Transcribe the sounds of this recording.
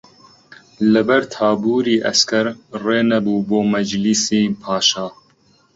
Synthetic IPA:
lɨbɛɾt̪ʰaːbuːɾiːʔɛ̰skɛɾreːnɛbuːboːmɐd͡ʒlisiːpʰɑːʃɑː

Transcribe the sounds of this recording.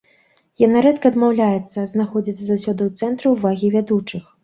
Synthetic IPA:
janaɾɛt̪kɐːd̪mawlʲajɛt̪sːɐznaxɔd͡zʲit̪sːɐzawsʲɔd̪ɨwt̪sɛnt̪ɾɨwvaɣʲivʲad̪ut͡ʂɨx

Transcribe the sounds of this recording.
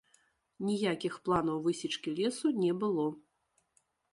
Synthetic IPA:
nʲijakʲixplˠanɐwvɨsʲit͡ʂkʲilʲɛsunʲɛbɨlˠɔ

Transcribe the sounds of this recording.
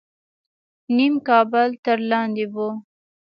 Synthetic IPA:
nimkɑbəlt̪əɾlɑnd̪ebo

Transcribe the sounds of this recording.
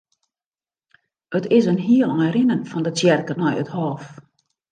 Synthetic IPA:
ətɪsənɦiəlˠɔjɾɪnənfɔndət͡sjɛrkənɔjə̰thɔːf

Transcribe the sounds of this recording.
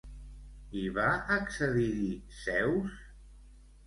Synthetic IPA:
iβaəksəðiɾisɛws

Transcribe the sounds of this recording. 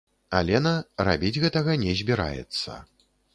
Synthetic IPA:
a̰lʲɛnɐra̰bʲid͡zʲɣɛt̪ɐɣɐnʲɛzʲbʲiɾa̰jɛ̰t̪sːɐ̰

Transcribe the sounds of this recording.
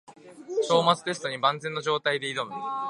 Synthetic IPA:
ɕo̞ːmat͡sɨ̥t̪e̞s̬ɨ̥t̪o̞ɲ̟ibãnd͡zẽ̞nːoʑo̞ːt̪aid̪e̞id̪o̞mɯ̟

